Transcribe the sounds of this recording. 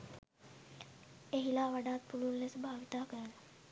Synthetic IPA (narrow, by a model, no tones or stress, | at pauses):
eɦilaʋəɽat̪̚puɽunlesbʱaʋt̪akəɾala